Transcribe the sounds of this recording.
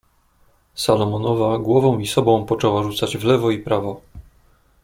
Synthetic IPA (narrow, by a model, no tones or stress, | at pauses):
salɔmɔnɔvaɡwɔvɔ̃w̃isɔbɔ̃w̃pɔt͡ʂɛwaʐut̪sad͡ʑvlɛvɔipɾavɔ